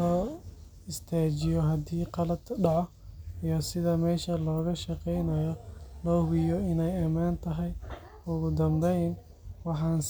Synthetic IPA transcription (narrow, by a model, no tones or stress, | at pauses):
ɔː | ɪst̪ʰaːt͡ʃɪjɔɦɐd̪iːqɑlɐd̪ɖɑʕɔ | ijɔsɪðɐmɛːʃɐlɔːɣɐʃɐqɛjnɐjɔlɔːɣɪjɔɪnɛjɐmaːnt̪ʰɐɦɛj | ʊɣʊd̪ɐmbɛjn | wɑħɑːns